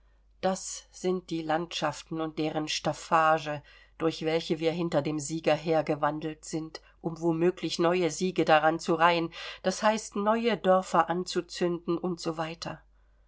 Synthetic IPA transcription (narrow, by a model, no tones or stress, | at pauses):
d̥asz̥ɪnt̚d̥iːlantʃaftn̩ʊnt̚d̥eːʁənʃtafaːʒə | d̥ʊɐçv̥ɛlçəviːɐɦɪntɐdeːmziːɡɐɦeːɐɡəvandl̩tz̥ɪnt | ʔʊmvomøːklɪçnɔʏəziːɡədaʁant͡suʁaɪənd̥ashaɪstnɔʏədœɐfɐʔant͡sut͡sʏndn̩ʔʊntz̥oːvaɪtʰɐ